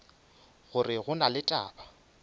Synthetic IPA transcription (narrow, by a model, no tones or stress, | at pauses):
ɣʊrɪɣʊnalɪtʼa̰ːba